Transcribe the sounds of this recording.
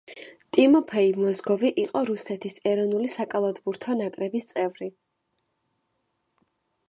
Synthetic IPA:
t̪ʼimɔpʰɛimɔzɡɔviʔiqʼɔɾusɛt̪ʰisɛɾɔnulisakʼalˠɔd̪buɾt̪ʰɔnakʼɾɛbist̪sʼɛvɾi

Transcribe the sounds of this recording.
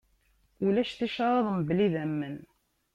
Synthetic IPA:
ulæʃθiʃɑɾˤɑðˤməbliðæmːən

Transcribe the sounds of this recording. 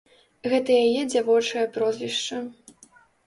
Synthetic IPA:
ɣɛt̪ɐjajɛd͡zʲavɔt͡ʂɐjɐpɾɔzʲvʲiʂt͡ʂɐ

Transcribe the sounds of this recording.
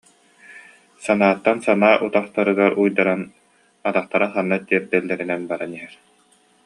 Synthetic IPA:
sanaːt̪ːansanaːʔut̪aχt̪aɾɯɡaɾujd̪aɾan | at̪aχt̪aɾaχanːat̪iɛɾd̪ɛlːɛɾinɛnbaɾaniɦɛɾ

